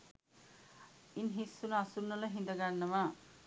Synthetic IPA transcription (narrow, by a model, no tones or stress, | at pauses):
inɦisːunasunːɐlɐɦind̪ɐɡaɳːɐma